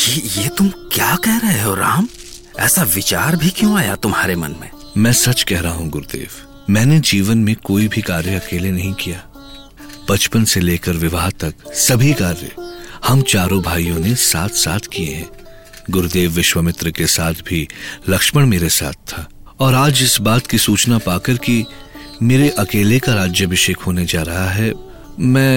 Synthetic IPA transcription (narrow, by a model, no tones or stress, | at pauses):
kijeːt̪ʊmkjaːkɛɦɾɐɦeɦoɾa̰ːm | ɛ̰ːsaʋɪt͡ʃaːɾbʱikjõaːjat̪ʊmɦaːɾemɐ̰nmḛ̃ː | mɛ̃ːsɐt͡ʃkɛɦɾɐɦaɦũɡʊɾd̪ḛːʋ | mɛ̃ːned͡ʒiːʋənmẽkoːibʱikaːɾjəɐkeːlenɐɦĩkijaː | b̥ɐt͡ʃpənseleːkəɾʋɪʋaːɦt̪ɐksɐbʱikaːɾjə̰hɐmt͡ʃaːɾõbʱaːijõnesaːt̪ʰsaːt̪ʰkieɦɛ̰̃ː | ɡʊɾd̪eːʋːɪʃʋəmɪt̪ɾəkesaːt̪ʰbʱilɐkʃməɽ̃meːɾesa̰ːt̪̚ʰt̪ʰːaː | ɔːɾaːd͡ʒɪsbaːt̪kisuːt͡ʃnapaːkəɾki | meːɾeʔɐkeːlekaɾaːd͡ʒjəbɪʃeːkɦoːned͡ʒaːɾɐɦaɦɛ | mɛ̃ː